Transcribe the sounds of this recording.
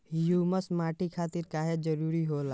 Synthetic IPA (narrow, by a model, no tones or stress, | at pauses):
juːməsmaːʈikʰaːt̪ɪɾkaːɦed͡ʒəɾuːɾiɦoːlaː